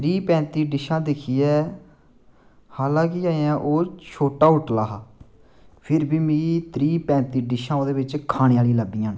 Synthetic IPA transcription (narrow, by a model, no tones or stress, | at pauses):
t̪ɾiːpɛ̃ːnt̪iːɖɪʃãːd̪ɪkʰiːɛː | haːlãːkɪaːjãːʔoːt͡ʃʰoːʈaːʊʈlaːɦaː | pʰɪɾbiːmĩːt̪ɾiːpɛ̃ːnt̪iːɖɪʃãːõːd̪eːʋɪt͡ʃkʰaːñeːaːliːləbijãːn